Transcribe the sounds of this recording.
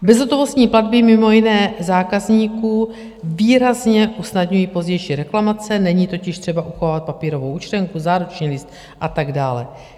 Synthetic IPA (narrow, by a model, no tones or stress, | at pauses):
bɛzɦot̪ovo̞st̪ɲiːpladbɪmɪmo̞jɪnɛːzaːkazɲiːkuː | viːɾazɲɛʔusnadɲujiːpo̞zɟɛjʃiːɾɛklamat͡sɛnɛɲiːt̪o̞cɪʃt̪r̝̥ɛbaʔuxovaːvat̪̚papiːɾo̞vowʔut͡ʃtɛŋkuzaːɾut͡ʃɲiːlɪst̪ | ʔat̪aɡdaːlɛ